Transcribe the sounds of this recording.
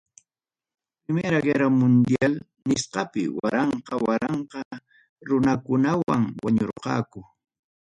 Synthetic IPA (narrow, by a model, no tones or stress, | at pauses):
pɾɪmeɾaɢeɾamʊnd̪jal | nɪsqɑpɪ̰waɾɑɴqɑwaɾɑɴqɑ | ɾʊnakʊnawa̰ŋwaɲoɾqɑ̰ːkʊ